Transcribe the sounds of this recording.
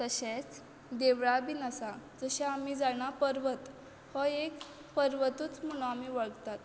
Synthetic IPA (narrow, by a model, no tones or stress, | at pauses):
t̪əɕet͡s | d̪eʋɭabinəsad͡zəɕaamiːd͡zaɳ̃apəɾʋət̪ | hɔek | pəɾʋət̪uːt͡sm̤əɭ̃oamiʋəɭt̪at̪